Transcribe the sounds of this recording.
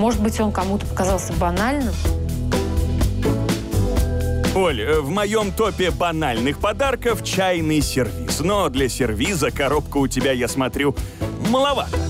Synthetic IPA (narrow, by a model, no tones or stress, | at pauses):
mo̞ʐɨt̪̚bɨtʲo̞nkɐmut̪əpə̥kɐzɑlˠsʲəbɐnalʲnɨm | olʲvmɐjo̞mt̪o̞pʲɪbɐnalʲnɨxpɐd̪arkəft͡ɕæjnɨjsʲɪrvʲisnod̪lʲɐsʲɪrvʲizəkɐɾopkəʊtʲɪbʲajasmɐt̪ɾʲuməlˠɐvat̪ə